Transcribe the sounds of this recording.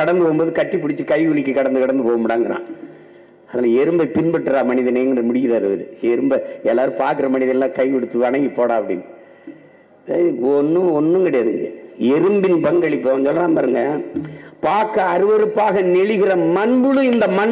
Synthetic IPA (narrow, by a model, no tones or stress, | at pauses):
ɐɽɐnd̪ɯpoːɣɯmboːðɯkɐʈːɯp̬ːʊɽɪt͡ʃːɯkɐɪkʊɭɪkːɯkɐɽɐnd̪ɯkɐɽɐnd̪ɯpoːɣɐmɐɽaːŋɡɐɾã̰ː | ɐðɐnaːlɛɾɯmbɐɪpɪnbɐʈːɯɾaːmɐnɪðɐneːdrɐmʊɽɪɣɪɾɐɐɾɯʋɐ̰ɾɯ̰ɛɾɯmbɐɛlːaːɾɯ̃paːɾkɯɾɐmɐnɪðɐnɐlːãːkɐɪkɔɽɯt̪ːɯʋɐɳɐŋɡipːoːɽãːɐpːɐɽɪ̰nː | ɔnːɯɔnːɯŋɡɪɽeːɪɾɯŋɡɐ̰ɛɾɯmbɪnpɐŋɡɐɭɪpːɐnsɔlːɐnaːmpaːɾɯŋɡɐ | paːɾkɐɐɾɯʋɐɾɯpːaːɣɐnɛɭɪɣɪrɐmɐnbɯɭɯ̃ɪnd̪ɐmɐn